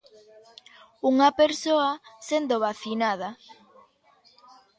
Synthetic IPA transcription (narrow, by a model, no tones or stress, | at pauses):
uŋapeɾsoasend̪oβaθinað̞a